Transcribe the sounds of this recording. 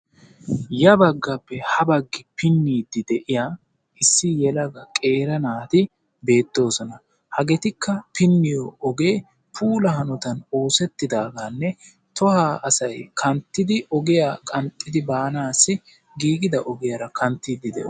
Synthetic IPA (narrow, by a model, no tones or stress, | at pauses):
jɐbɐɡːɐpːɛhɐbɐɡːɪpɪnːiːd̪ɪd̪ɛʔɪjaː | ʔɪsːɪjɛlɐɡɐkʼe̞ːɾɐnaːt̪ɪ | be̞ːt̪ːo̞ːsɔnɐ | hɐɡɛt̪ɪkːɐpɪnːɪjɔɔɡeː | pʰuːlɐhɐnɔt̪ɐno̞ːsɛt̪ːɪd̪aːɡanːɛ | t̪ɔhaːʔɐsɐjkʰɐnt̪ːɪd̪ɪʔɔɡɪjakʼɐnt̪ʼːɪd̪ɪbaːnaːsːɪ | ɡiːɡɪd̪ɐʔɔɡɪjɐɾɐkʰɐnt̪ːiːd̪ɪd̪ɛ̰ʔ